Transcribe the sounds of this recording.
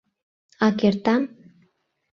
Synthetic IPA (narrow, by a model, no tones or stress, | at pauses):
ɑkert̪ɑm